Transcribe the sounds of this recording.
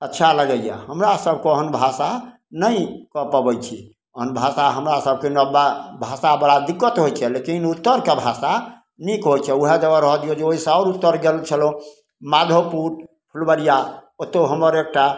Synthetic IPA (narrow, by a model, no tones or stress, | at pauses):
ətːʃʰaləɡəja̰həmɾasəb̚ʱkeəɦənbʱasa | nəikəpəbəjt͡ʃʰi | əɦənbʱasaɦəmɾasəb̚ʱkenəbabʱasabəɽad̪ikːət̪ɦojt͡ʃʰɛlekinut̪ːəɾkebʱasa | nikɦojt͡ʃʰɛuɦed͡ʒəɡəɾəɦɔd̪ijod͡ʒeoɦisə̃ɔɾut̪ːəɾɡelt͡ʃʰəlo | mad̪ʱopuɾ | pʰulbəɾijaot̪ːeɦəmːəɾek̚ʈa